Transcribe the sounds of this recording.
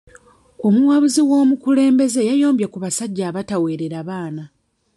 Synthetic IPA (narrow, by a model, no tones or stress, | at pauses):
o̞muwaβuziwo̞ːmukule̞ːmbe̞ze̞jajo̞ːmbjakuβasaɟːaːβatawe̞ːɾeɾaβaːna